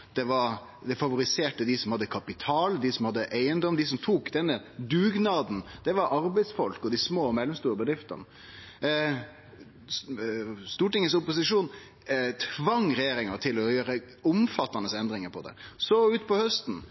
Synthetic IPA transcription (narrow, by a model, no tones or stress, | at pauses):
d̪̥ɛʋɑɾ | d̪ɛfɑʋʊɾɪseːʈəd̪ɪsɔmhɑd̪ːəkʰɑpɪt̪ʰɑːld̪ɪsɔmhɑd̪ːəʔæɪənd̪ɔmd̪ɪs̬ɔmt̪ʰuːkd̪ɛnːəd̪ʉːɡnɑːd̪n̩d̪̥ɛʋɑɾʔɑɾbæɪd̪sfɔlkɔd̪ɪsmoːmɛlːɔmst̪uːɾəbəd̪ɾɪft̪ɑ̰n | st̪uːʈɪŋəs̬ʊpʊs̬ɪʂuːn | t̪ʰʋɑŋɾɛjeːɾɪŋɑt̪ʰɪlɔjøːɾə | ʊmfɑt̪ːɑnəsɛnd̪ɾɪŋəɾpʰɔd̪ɛ̰sɔʉːt̪pʰɔhœst̪n̩